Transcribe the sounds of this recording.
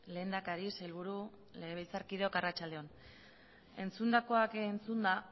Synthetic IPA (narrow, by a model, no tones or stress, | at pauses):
le̞ːnd̪akaɾiselβuɾu | leeβejt͡saɾkið̞eokarat͡ʃald̪e̞o̞n | e̞nt͡sund̪ako̞akent͡sund̪a